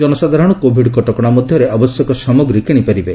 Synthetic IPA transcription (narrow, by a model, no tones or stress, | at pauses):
d͡ʒɔnɔsad̪ʱaɾɔɽ̃ɔkobʱiɖkɔʈɔkɔɽ̃amɔd̪ʱjɔɾeabɔsjɔkɔsɔmoɡɾikiɽ̃ipaɾibe